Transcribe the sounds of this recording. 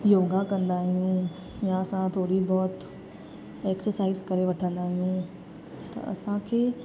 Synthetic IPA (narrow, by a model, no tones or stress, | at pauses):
joːɡakɐ̃nd̪aːɦijũ | jãɐsãt̪ʰoːɽibɔːt̪ | eːksəɾsaːɪzkɐɾeʋɐʈʰə̃nd̪aːɦijũː | t̪ɐ̰ɐ̰sãkʰeː